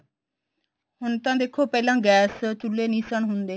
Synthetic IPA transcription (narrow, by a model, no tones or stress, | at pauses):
hʊnt̪ãːd̪eːkʰːoːpɛːlãːɡɛːst͡ʃʊlːeːnĩːsəɳɦʊnd̪eː